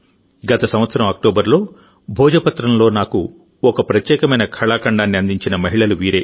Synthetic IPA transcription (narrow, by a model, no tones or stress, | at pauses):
ɡɐt̪ɐsɐ̃mʋɐt̪sɐɾɐmɐk̚ʈoːbɐɾlo̞ː | bʱɔːd͡ʒɐpɐt̪ɾɐmlo̞ːnaːku | ɔkɐpɾɐt̪jɛːkɐmɐjnɐkʰɐɭaːkɐɳɖaːnːiɐnd̪iɲt͡ʃinɐmɐɦiɭɐluʋiːɾe̞ː